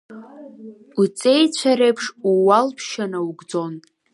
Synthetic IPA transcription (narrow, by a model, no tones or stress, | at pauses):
ut͡sʼejt͡ɕʷʰaɾejpʰʂuwalpʰʃanawɡʷd͡zo̞n